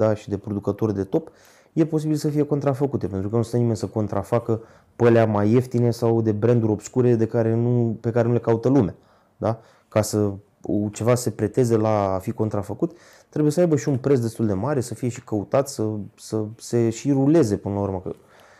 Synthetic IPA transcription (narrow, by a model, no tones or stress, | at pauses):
d̪aʃid̪e̞pɾo̞d̪ukət̪o̞rʲd̪e̞t̪o̞p | je̞po̞sibilsəfije̞ko̞nt̪ɾafəkut̪e̞pe̞nt̪ɾukənusenime̞nʲsəko̞nt̪ɾʔafakə | pəleamaje̞ft̪inesawd̪e̞bɾe̞nd̪uɾʲo̞bskuɾe̞d̪e̞kaɾe̞nupe̞kaɾenule̞kaut̪əlumea | d̪a | kasə | t͡ʃe̞vase̞pɾe̞t̪e̞zelaːfiko̞nt̪ɾafəkut̪ | t̪ːɾebuje̞səajbəʃiunpɾes̬d̪est̪uld̪e̞maɾe̞səfije̞ʃi̥kəut̪at̪səsəse̞ʃiɾule̞ze̞pɨnəlaurməkə̰